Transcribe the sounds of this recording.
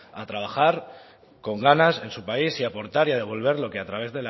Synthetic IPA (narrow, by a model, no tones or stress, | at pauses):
at̪ɾaβ̞axaɾ | ko̞ŋɡanase̞nsupaisiapo̞ɾt̪aɾiað̞e̞β̞o̞lβ̞e̞ɾlo̞keat̪ɾaβ̞e̞zðe̞la